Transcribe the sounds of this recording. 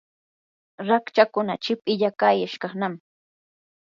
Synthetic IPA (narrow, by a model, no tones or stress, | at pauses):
ɾakt͡ʃakʊnat͡ʃɪp̚ʼɪʎakajaʃkɑχnam